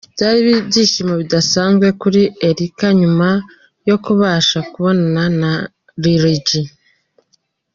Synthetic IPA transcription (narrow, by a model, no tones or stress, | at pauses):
itaɾiβiβɟiʃimaβidasaːnzɡwe̞kuɾieɾikaɲuma | jo̞kuβaːʃakuβo̞nanana | ɾiɾiɟi